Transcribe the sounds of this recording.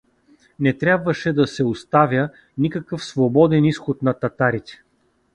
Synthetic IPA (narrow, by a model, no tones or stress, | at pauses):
nɛt̪ɾʲjabvɐʃɛd̪ɐsɛʊst̪avʲjə | nikɐkɤfsvobɔd̪ɛnisxot̪nɐt̪ɐt̪aɾit̪ɛ̥